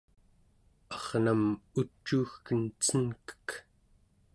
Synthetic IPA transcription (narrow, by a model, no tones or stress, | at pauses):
ɑʁnamut͡ʃːuːxkənt͡sənkə̥k